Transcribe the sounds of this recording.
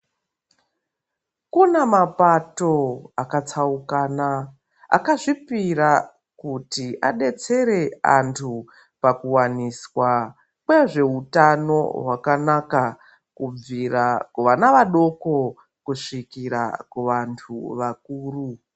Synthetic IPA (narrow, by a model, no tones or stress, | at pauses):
kunemapato̞akat͡saukaːna | a̰kaʐipiɾa | kutiʔa̰ɗe̞t͡se̞ɾe̞a̰ntʰu | pakuwaniswa | kwe̞ʐe̞utano̞̰ɦwakanaka | kub͡virakuʋanaʋaɗo̞ko̞ | kuʂikiɾa̰kuʋantʰuʋak̚uːru